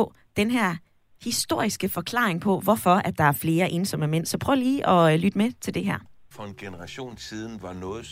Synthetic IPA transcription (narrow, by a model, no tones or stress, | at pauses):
ɒ̽ | d̥enɦæɐ̰ | hisd̥o̝ɐ̰isɡ̥əfɒ̽kʰl̥ɑ̰̈ːeŋpʰɒ̽ʋɒfɒ̽æd̥ɑ̈æɐfle̝ːɐʔe̝ːnsɒ̽məmen̰sɒ̽pʰʁœːʊliːʔɒ̽lyd̥əmet͡sʰe̝ld̥e̝ɦæɐ̰ | fɒ̽enɡ̥enəʁɑ̈ɕo̝̰ːnsiːð̞ˠn̩ʋɑ̈nɔ̽ːð̩ˠ